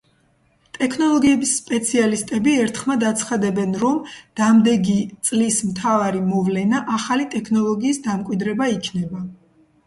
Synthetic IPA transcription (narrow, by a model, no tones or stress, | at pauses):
t̪ʼɛkʰnɔlˠɔɡiɛbisːpʼɛt̪sʰialist̪ʼɛbiɛɾt̪ʰχmad̪at̪sʰχad̪ɛbɛnɾɔmd̪̥amd̪ɛɡit̪sʼlismt̪ʰavaɾimɔvlɛnaʔaχalit̪ʼɛkʰnɔlˠɔɡiːsd̪amkʼwid̪ɾɛbaikʰnɛba